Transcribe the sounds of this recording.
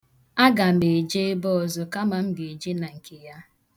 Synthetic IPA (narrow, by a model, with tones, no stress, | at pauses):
a˦ɡa˨me˨d͡ʒe˦ɪ˦bɔ˦˨zʊ˨ka˦ma˨m̩˦ɡe˨d͡ʒe˦na˨ŋ̩˨ke˨ja˦